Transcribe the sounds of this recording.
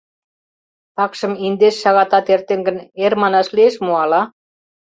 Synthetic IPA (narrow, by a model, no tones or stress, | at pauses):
p̪ɑkʃɤ̆mind̪eʃːɑɣɑt̪ɑt̪ert̪eŋɡə̆neɾmɑnɑʃlieʃmuɑlɑ